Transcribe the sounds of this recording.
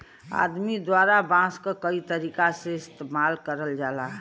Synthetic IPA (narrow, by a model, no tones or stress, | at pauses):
a̰d̪mid̪waɾabãskəkəit̪əɾikaseɪst̪emalkəɾəld͡ʒala